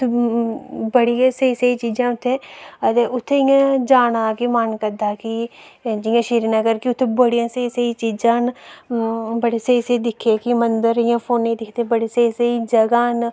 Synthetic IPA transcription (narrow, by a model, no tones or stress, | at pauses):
ʊt̪ʰːe | bəɽijãːsəiːsəiːt͡ʃiːd͡ʒãːʊt̪ʰːẽːət̪eːʊt̪ʰːeːɪjãːd͡ʒaːɽaːkimənkəd̪aːkid͡ʒɪjãːʃiːɾinaːkəɾkiʊt̪ʰːeːbəɽijãːsəisəit͡ʃiːd͡ʒãːn | bəɽeːsəisəːd̪ɪkʰːeːkimənd̪əɾɪjãːpʰoːnːĩːd̪ɪkʰt̪eːbəɽeːsəisəiːd͡ʒəɡaːn